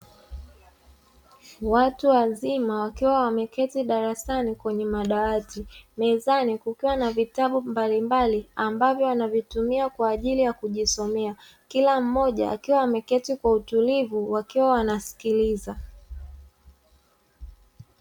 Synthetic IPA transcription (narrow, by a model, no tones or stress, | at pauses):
watuwazimawakiwawamɛkɛtiɗaɾasanikwɛɲɛmaɗaatimɛzanikukiwanavitaɓumbalimbaliambavjɔanavitumiakwaːʄilijakuʄisɔmɛa | kilam̩mɔʄa̰a̰kiwaamɛkɛtikwautulivuwakiwawanasi̥kiliza